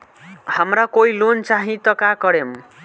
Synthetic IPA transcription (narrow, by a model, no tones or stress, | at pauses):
hamɾakoilont͡saɦĩt̪ʌkakʌɾem